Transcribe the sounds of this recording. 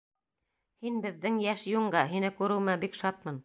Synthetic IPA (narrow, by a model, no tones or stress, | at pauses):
hinbɘ̆ðːɘŋjæʃjuɴɢɑɦinɘkʉɾɘ̆wmæbikʃɑt̪̚mɤn